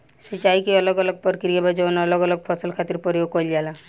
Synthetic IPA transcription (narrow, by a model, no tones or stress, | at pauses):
sit͡ʃajkiɔlɔɡɔlɔɡ̚pɔɾkɾiabad͡ʒɔnɔlɔɡɔlɔɡ̚pʰɔsəlkʰat̪iɾpɔɾiokɔjliala